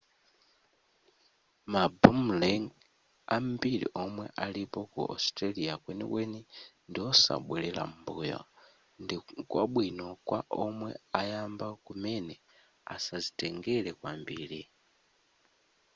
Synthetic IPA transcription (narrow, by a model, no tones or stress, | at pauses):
mabum̩lɛŋ | am̩biɾḭʔɔmwɛʔalipɔkṵʔɔ̰stɾaliakwɛnḭkwɛnindiɔsa̰ɓwɛlɛla̰m̩buːjɔ̰ | ndikwaɓwinɔkwaʔɔmwɛajambakumɛnɛ | a̰sazitɛŋɡɛlɛkwambiːɾi